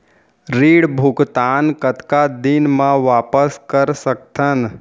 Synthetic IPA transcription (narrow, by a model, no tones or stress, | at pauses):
ɾiːɽbʱʊɡt̪aːnkət̪kad̪ɪnmãʋaːpəskəɾsək̚t̪ʰən